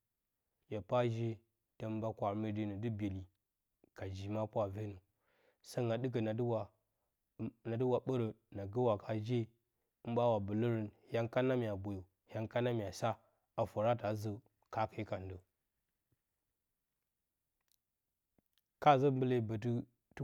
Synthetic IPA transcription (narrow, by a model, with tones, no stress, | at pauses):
jʲa˨pa˦ʒe˦ | tə˦m˦ba˦kʷa˨ɾmə˦di˦nə˨dɨ˦bʲe˨li˨ | ka˨d͡ʒi˨ma˦pʷa˨ve˦nə˨ | sa˦ŋɡa˨dɨ˦k̬ə˨na˨dwa˨ | na˨də˦wa˨ɓə˦ɾə˨ | na˨ɡə˦wa˨kʰa˨d͡ʒe˦ | ɓa˦wa˨bə˨lə˦ɾə˨n | ja˦ŋka˦na˦mʲ˨a˨bo˨jo˨ | ja˦ŋka˦na˦m˨a˨sa˦ | a˨fo˨ɾa˦ta˨˦zə˨ | ka˦ka˨i˦ka˨ndə˨ | ka˦˨zə˦m˦bə˦le˦˨bə˨t̬ə˦ | t